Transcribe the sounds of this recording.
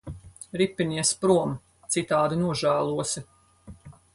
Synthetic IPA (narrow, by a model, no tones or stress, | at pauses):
ɾipːiniɛspɾuɔm | t̪sit̪aːd̪inuɔʒæːlˠuɔsi